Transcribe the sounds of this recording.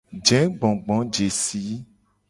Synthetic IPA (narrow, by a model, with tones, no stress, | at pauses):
d͡ʒɛ̃˨˦ɡ͡bɔ̃˨ɡ͡bɔ̃˨˦d͡ʒe˨si˨˦